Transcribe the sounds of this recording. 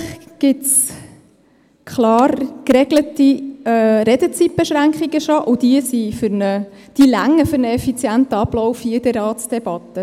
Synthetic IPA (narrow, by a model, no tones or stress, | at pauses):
χɡ̥ɪts | kχlɑːrkɾɛɡləti | ɾɛdət͡sip̚b̥eʃɾæŋkχiɡəʃoʔʊd̥iəsifʏɾnəd̥ilæŋːəfʏɾnəɛfit͡sjæntəɑb̥lɔʊfiɪd̥ɛɾɑːtsd̥ɛb̥ɑtːə